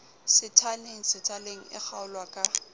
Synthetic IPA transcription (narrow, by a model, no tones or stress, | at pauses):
sɪtʰaleŋ̩sɪtʰaleŋ̩ɪ̰k͡xʰaʊlwakʼa